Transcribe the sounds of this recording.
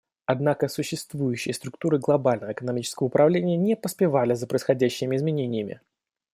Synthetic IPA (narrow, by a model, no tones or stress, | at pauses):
ɐd̪nakəsʊɕːɪst̪vujʉɕːɪjəst̪ɾʊk̚t̪uɾɨɡlˠɐbalʲnəvəɪkənɐmʲit͡ɕɪ̥skəvəʊpɾʔɐvlʲenʲɪjənʲɪpəspʲɪvalʲɪzəpɾəɪsxɐdʲæɕːɪmʲɪɪzmʲɪnʲenʲɪjəmʲɪ̰